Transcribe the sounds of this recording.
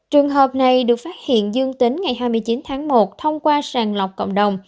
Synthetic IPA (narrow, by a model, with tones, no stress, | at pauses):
t͡ɕɨ˨˩əŋɦəː˨˩p̚na˨˩jɗɨ˨˩ək̚faː˦˥t̚hḭ˧˨ənzɨ˧əŋt̪ï˨˦ŋŋa˨˩jɦaː˧jm˧jt͡ɕi˨˦nt̪ʰaː˨˦ŋmo˨˩t̚t̪ʰə˧wŋ͡mkwaː˧saː˨˩ŋlə˨˩wk͡p̚kə̰˧˨ŋ͡mɗə˨˩wŋ͡m